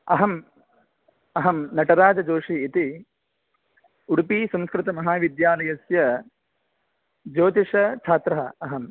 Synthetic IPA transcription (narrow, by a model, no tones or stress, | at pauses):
ɐ̰ɦɐm | ɐɦɐmnɐʈɐɾaːd͡ʒɐd͡ʒoːʂiːt̪i | uɽupisɐ̃mskɾɪt̪ɐmɐɦaːʋid̪jaːlɐjɐsjɐ | d͡ʒoːt̪iʂɐt͡ʃʰaːt̪ɾɐɦɐɐɦɐm